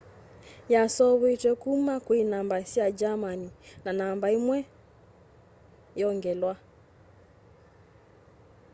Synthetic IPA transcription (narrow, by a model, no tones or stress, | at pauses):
jasɔβwitwɛkumakwinambaisiad͡ʒamaninanambaimwɛ | jɔŋɡɛlwa